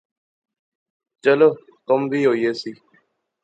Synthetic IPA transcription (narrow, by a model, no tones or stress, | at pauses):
t͡ʃəloː | t̪ʊmbʱiːɦoːieːsiː